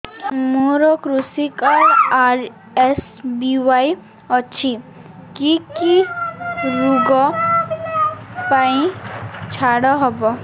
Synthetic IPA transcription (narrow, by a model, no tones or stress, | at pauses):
moɾɔkɾusikaɾaɾ | es | biwaj | ɔt͡ʃʰikiki | ɾuɡɔ | paĩt͡ʃʰaɽɔɦɔbɔ